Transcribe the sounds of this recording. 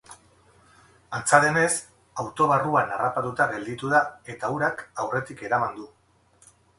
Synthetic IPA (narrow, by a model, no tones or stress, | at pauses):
ant͡saðe̞ne̞s | awt̪o̞β̞aruanarapat̪ut̪aɣe̞ld̪it̪uðae̞t̪auɾakawre̞t̪ike̞ɾamand̪u